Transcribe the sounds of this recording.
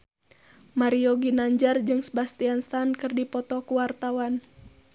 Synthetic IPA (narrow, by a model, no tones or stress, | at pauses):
maɾiɔɡinaɲd͡ʒard͡ʒɨŋsəbast̪ianst̪ankɨrdipɔt̪ɔkuwart̪awan